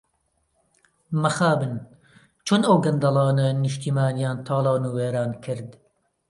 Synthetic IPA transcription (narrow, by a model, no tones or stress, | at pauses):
mɐxaːbɨn | t͡ʃʰunɐwɡɐnd̪ɐlˠɑːnɐnɨʃt̪iːmaːnjɑːnt̪ʰɑːlˠɑːnuːweːɾɑːnkʰɨɾd̪